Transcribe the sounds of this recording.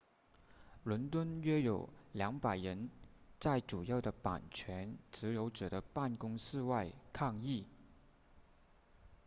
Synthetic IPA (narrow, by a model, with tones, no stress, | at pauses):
lə˧˥nt̪wə˥nɥɛ˥jo˨˩ʊljɑ˧˥ŋpa˨˩ɪɻə˧˥nt͡sa˥˩ɪʈ͡ʂu˨˩jɑ˥˩ʊd̪ə˩pa̰˨˩nt͡ɕʰɥɛ˧˥nt͡sɹ̩˧˥jo˧˥ʊʈ͡ʂɤ˨˩ɾə˦pa˥˩nkʊ˥ŋʂɹ̩˥˧wa˥˧ɪkʰɑ˥˧ŋi˥˩